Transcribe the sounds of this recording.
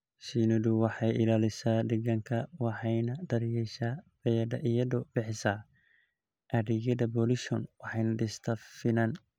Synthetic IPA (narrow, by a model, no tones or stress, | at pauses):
sinɔduwɑħɑjɪlaːlɪsaːd̪ɛɡɐŋkʰɐwɑħɑjnɐd̪ɐɾjɛʃaːb̥ɛjɐɖɐʔɪjɐdɔb̥ɪħɪsaː | ʔɐɾɪɣɐðɐbɔlɪʃɔnwɑħɑjnɐɖɪst̪ʰɐfɪnɐn